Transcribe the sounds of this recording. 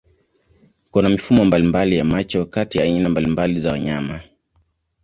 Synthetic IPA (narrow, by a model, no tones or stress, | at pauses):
kunamifumɔmbalimbalijamat͡ʃɔkatijaːinambalimbalizawaɲama